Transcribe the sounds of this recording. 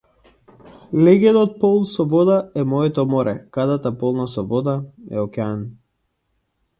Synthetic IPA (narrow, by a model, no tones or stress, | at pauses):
lɛɡɛd̪ɔt̪̚pɔlˠnsɔvɔd̪aɛmɔɛt̪ɔmɔɾʔɛkad̪at̪apɔlˠnasɔvɔd̪aɛ̰ɔkʲɛan